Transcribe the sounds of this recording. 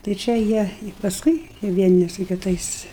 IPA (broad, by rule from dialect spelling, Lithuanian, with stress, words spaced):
tɐɪ ˈt͡ʃʲɛ jiɛ ɪ pɐsˈkʊɪ ʋʲiɛˈnʲɪ sʊ kʲɪˈtɐɪs